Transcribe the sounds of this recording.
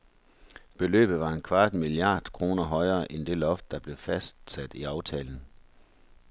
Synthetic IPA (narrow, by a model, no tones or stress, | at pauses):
b̥e̝lø̰ːb̥ð̩ˠʋɑ̈e̝nkʰʋɑ̈ːd̥miliɑ̰̈ːd̥kʰʁo̝ːnɐɦɒ̽ɪɐːʔend̥e̝lɒ̽fd̥ːɑ̈b̥le̝fæsd̥sæd̥iɑ̈ʊt͡sʰɛ̰ːln̩